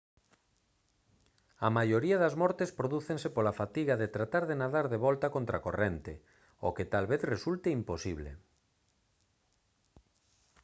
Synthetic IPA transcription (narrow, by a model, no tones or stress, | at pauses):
amajoɾiaðazmɔɾt̪espɾoðuθeŋsepolafat̪iɣaðet̪ɾat̪aɾðenaðaɾðeβɔlt̪akõnt̪ɾakorent̪e | o̰ket̪alβeθresult̪eimposiβlḛ